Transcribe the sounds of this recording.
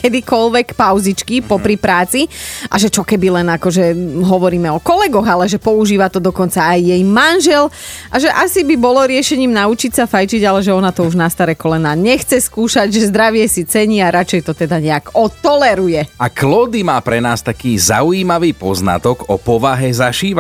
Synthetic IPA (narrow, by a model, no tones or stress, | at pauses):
kɛd̪ikɔlʋɛkpaʊzit͡ʃkipɔpɾipɾaːt͡siʔaʒɛt͡ʃɔkɛbilɛnakɔʒɛɦɔʋɔɾiːmɛɔkɔlɛɡɔɣalɛʒɛpɔuʒiːʋat̪ɔd̪ɔkɔnt͡saːjːɛjmanʒɛlʔaʒɛʔasibibɔlɔɾɪɛʃɛɲiːmnaut͡ʃicsafajt͡ʃiɟalɛʒɛɔnat̪ɔuʒnast̪aɾɛkɔlɛnaːɲɛxt͡sɛskuːʃaɟʒɛzd̪ɾaʋɪɛsit͡sɛɲiaɾat͡ʃɛjt̪ɔt̪ɛd̪aɲɛaɡɔt̪ɔlɛɾujɛaklɔːd̪imaːpɾɛnaːst̪akiːza̰ujiːmaʋiːpɔzna̰t̪ɔɡɔpɔʋaɦɛzaʃiːʋa